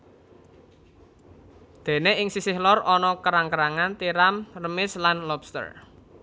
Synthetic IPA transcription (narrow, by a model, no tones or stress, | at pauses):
d̪̥e̤neɪŋsisɪhlɔrɔnɔkəɾaŋkəɾaŋant̪iɾamrəmɪslanlɔbst̪ə̰r